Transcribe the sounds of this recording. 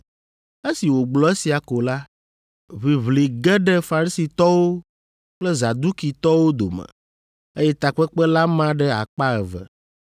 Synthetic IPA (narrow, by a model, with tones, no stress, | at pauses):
e˦si˨wo˨ɡ͡blɔ˦e˦si˨a˨ko˨la˦ | βi˨βli˨ɡɛ˦ɖɛ˦fa˨ɾi˦si˨t̪ɔ˦wo˦ | k͡plɛ˦za˨d̪u˦ki˨t̪ɔ˦wo˦d̪o̰˨mɛ̰˨ | e˦jɛ˦t̪a˨k͡pɛ˦k͡pɛ˦la˦mã˦ɖɛ˦a̰˨k͡pa˦ɛ˨vɛ̰˨